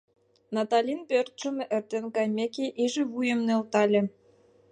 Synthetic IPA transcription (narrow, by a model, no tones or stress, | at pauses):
nɑt̪ɑlʲinpørt̪̚ʃə̆mʔɘ̆rt̪ĕnkɑjmʲekʲeʔiʒĕβujə̆mnølt̪ɑlʲĕ